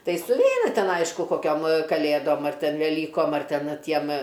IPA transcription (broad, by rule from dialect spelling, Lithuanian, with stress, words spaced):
ˈtɐɪ sʊˈʋʲɛɪnɐ ˈtʲɛn ˈɐɪʃkʊ koːˈkʲoːm ʋɐ kɐˈlʲeːdoːm ɐr ˈtʲɛn ʋʲɛˈlʲiːkoːm ɐr ˈtʲɛn ˈtʲiɛm